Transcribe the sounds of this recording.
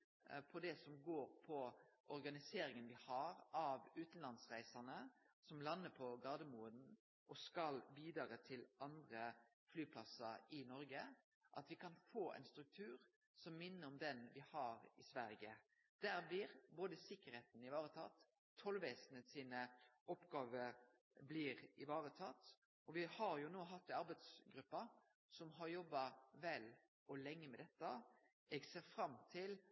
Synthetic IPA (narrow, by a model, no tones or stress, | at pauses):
pʰɔd̪ɛsɔmɡoːɾpʰɔʔɔɾɡɑnɪseːɾɪŋənʋɪhɑʁɑʋʉːt̪n̩lɑnsʁæɪsɑnə | sɔmlɑnːəpʰɔɡɑʁd̪əmuːəd̪n̩ | ʔɔskɑlbiːd̪ɾɑːɾət̪ʰɪlʔɑnd̪ʁə | flyːpʰlɑsɑɾɪnɔɾɡə | ʔɑ̰t̪ʋɪkʰɑnfoːʔɛ̰ɪnst̪ɾʉk̚t̪ʰʉːʁ | sɔmːɪnːəɔmd̪ɛnʋɪhɑɾɪsʋæɾɡə | d̪̥æɾblɪɾboːd̪əsɪkːəɾheːt̪n̩ɪʋɑːʁət̪ʰɑ̰t̪ʰː | ɔlːʋeːsənət̪siːnə | ɔpɡɑːʋə | blɪʁɪʋɑːʁət̪ʰɑt̪ː | ʔɔʋɪhɑɾjʊnoːɦɑt̪ːɑɾbæɪd̪sɡɾʉpːɑ | sɔmɦɑʁjɔbːɑʋɛl | ɔlɛŋːəmɛd̪ɛt̪ːə | ɛɡseːɾfɾɑmt̪ʰɪl